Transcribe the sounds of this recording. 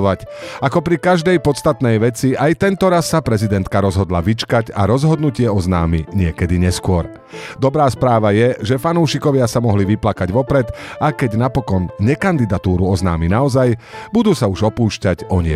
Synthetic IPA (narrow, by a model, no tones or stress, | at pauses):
ʋacakɔpɾikaʒd̪ɛjpɔt̪st̪at̪nɛjʋɛt͡siajt̪ɛnt̪ɔɾasːapɾɛzid̪ɛnt̪kaɾɔzɦɔd̪laʋit͡ʃkaɟa̰ɾɔzɦɔd̪nucɪɛɔzna̰ːmiɲɪɛkɛd̪iɲɛskʊɔɾ | d̪ɔbɾaːspɾaːʋajɛʒɛfanuːʃikɔʋɪasamɔɦliʋiplakaɟʋɔpɾɛd̪akɛɟnapɔkɔnɲɛkand̪id̪at̪uːɾuɔzna̰ːminaɔzajbud̪uːsauʒɔpuːʃcaɟɔɲɪɛ̰